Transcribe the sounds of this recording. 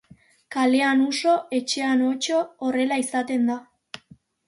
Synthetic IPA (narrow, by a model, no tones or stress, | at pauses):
kale̞anuso̞e̞t͡ʃe̞ano̞t͡ʃo̞ːre̞laisat̪e̞nd̪a